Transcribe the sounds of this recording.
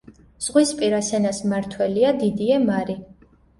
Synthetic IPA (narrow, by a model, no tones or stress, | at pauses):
z̥ʁwispʼiɾasɛnasmaɾt̪ʰwɛliad̪id̪iɛmaɾi